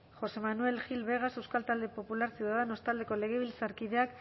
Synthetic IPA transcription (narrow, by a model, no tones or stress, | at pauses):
xo̞se̞manue̞lxilβe̞ɣ̞ase̞wskalt̪ald̪epo̞pulaɾsjuwðaðeno̞st̪ald̪e̞ko̞le̞ɣ̞e̞β̞ilsaɾkiðe̞ak